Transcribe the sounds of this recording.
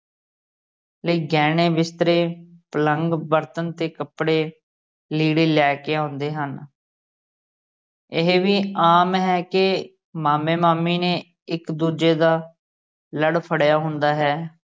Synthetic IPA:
leːɡɛːɽeːbɪst̪ɾeːpələŋɡbəɾt̪ənt̪eːkəpɽeː | liːɽeːlɛːkeːãːnd̪eːɦən | ɪɦʋiːaːmɦɛːkɪ | maːmeːmaːmiːneː | ɪkd̪uːd͡ʒeːd̪aː | ləɽpʰəɽjaːɦʊ̃nd̪aːɦɛː

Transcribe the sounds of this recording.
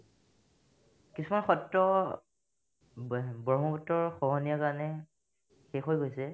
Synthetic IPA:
kisumanxɔtɹɔ | bɔɔmɔbɔtːɔɹxɔɦɔnijakanɛ | xexojɡojsɛ

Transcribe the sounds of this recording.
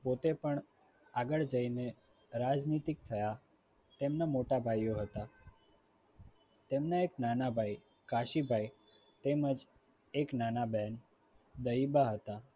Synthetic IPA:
pot̪epəɳ | aɡəɭd͡ʒəine | ɾad͡ʒnit̪ik̚t̪ʰəja | t̪emnamoʈabʱajːoɦət̪a | t̪emnaeknanabʱaj | kaʃibʱaj | t̪eməd͡ʒ | eknanabɛn | d̪əibaɦət̪a

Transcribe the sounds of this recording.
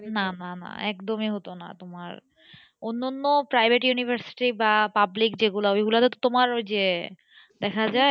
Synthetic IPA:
nanana̰ɛ̰kd̪omiɦot̪ona̰t̪oma̰ɾ | onːonːopɾajbʱeʈjunibʱaɾsi̥ʈibapablikd͡ʑeɡulaojɡulat̪et̪ot̪omaɾd͡ʑe | d̪ɛkʰad͡ʑae

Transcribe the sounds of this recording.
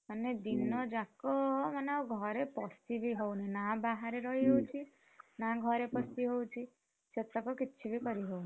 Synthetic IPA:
maned̪inɔd͡ʒakɔmaneuɡʱɔɾepɔst̪ibʱiɦowninabaɦaɾeɾɔɦiɦowt͡ʃʰi | naɡʱɔɾepɔst̪iɦowt͡ʃʰi | set̪ɔkɔkiːt͡ʃʰibikɔɾiɦowni

